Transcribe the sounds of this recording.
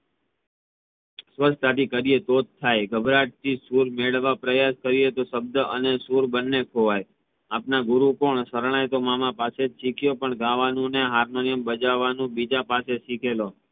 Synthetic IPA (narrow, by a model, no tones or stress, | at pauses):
sʋəst̪aʈ̪ikəɾijet̪od̪̚t̪ʰːajɡʱəbʱɾaʈ̚t̪ʰisuɾmeɭʋːapɾəjaskəɾijet̪oʃəb̚d̪əənesuɾbənːekʰoʋaj | apnaɡʊɾukoɳsəɾɳ̃ajt̪omamãpased͡ʒsikʰjopəɳɡãʋanũneɦaɾnonijəmbəd͡ʒaʋanũbid͡ʒapaseʃikʰelo